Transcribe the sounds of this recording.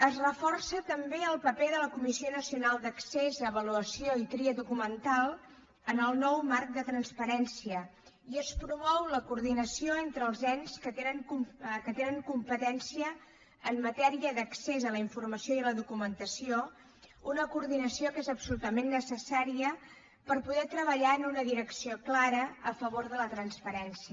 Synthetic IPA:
əzrəfɔrsət̪əmbeəlˠpəpeðələkumisionəsiunalˠd̪əksezəːβəluəsioit̪ɾiəðukumənt̪alˠ | ənəlˠnɔwmark̚d̪ət̪ɾənspəɾɛnsiə | iəspɾumɔwləkuɾðinəsioent̪ɾəlˠzɛnskət̪enəŋkukət̪enəŋkumpət̪ɛnsiəː | mːət̪ɛɾiəðəksezələiɱfurməsioiələðukumənt̪əsio | unəkuɾðinəsiokezəpsulut̪əmenːəsəsaɾiə | pəɾpuðɛt̪ɾəβəʎaənunəðiɾəksioklaɾəəfəβ̞oɾðələt̪ɾənspəɾɛnsiə

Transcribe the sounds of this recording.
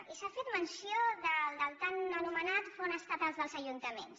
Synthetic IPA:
isafet̪mənsioðəld̪əlˠt̪anənumənat̪fonəst̪at̪əlzðəlˠzəʒunt̪əmens

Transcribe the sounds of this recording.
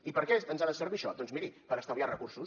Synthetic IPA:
ipəɾkɛənzaðəsəɾβiʃɔd̪ɔnzmiɾipəɾəst̪əβiarəkuɾrsus

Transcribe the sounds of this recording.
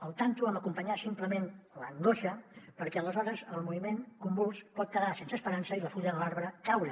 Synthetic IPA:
əlˠt̪ant̪uəməkumpəɲasimpləmenləŋɡoʃəpəɾkɛələzɔɾəzəlˠmuβimeŋkumbulˠspɔt̪̚kəðasensəspəɾansəiləfuʎəðəlaɾβɾəkawɾə

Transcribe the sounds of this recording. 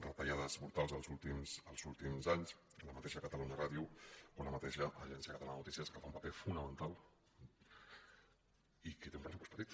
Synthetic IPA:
rət̪aʎaðəzmuɾt̪alˠzəlˠzulˠt̪imsəlˠzulˠt̪imzaɲsələmət̪eʃəkət̪əluɲəraðiuonəmət̪eʃəʔəʒɛnsiəkət̪alanənut̪isiəskəfaumpɐ̥pefunəmənt̪alˠ | ikət̪eũmpɾəsupɔstpət̪it̪

